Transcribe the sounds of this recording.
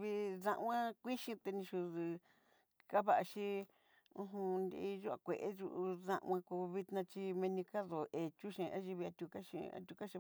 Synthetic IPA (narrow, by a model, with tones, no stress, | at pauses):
βi˧ðã˧ʔw̃ã˦kʷi˦ʃĩ˧t̪e˧nĩ˧ʃu˧ðɨ˧ | ka˦βa˧ʔa˧ʃi˦ | ũ˧ɦũ˧nd̪i˧ʒu˦a̰˧˨kʷe˨ʔe˦ʒṵ˧ʔu˧ðã̰˧ʔã˧ku˧βi˧t̪nã˧t͡ʃi˧mẽ˧nĩ˧ka˦ðo˨ʔe˨t͡ʃu˦ʃĩ˧ʔa˦ʒi˧βi˧a˧t̪ʲu˧ka˦ʃḭ̃˧a̰˧t̪ʲu˧ka˦ʃĩ˧